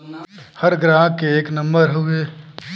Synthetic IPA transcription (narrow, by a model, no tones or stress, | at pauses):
hɐɾɡɾãːɦkeːknɐ̃mbəɾɦʊeː